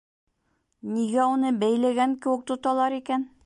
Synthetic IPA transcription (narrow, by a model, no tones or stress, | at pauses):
niɡæunɤbæjlæɡæŋkɘ̆wɘ̆k̚t̪ŏt̪ɑlˠɑɾikæn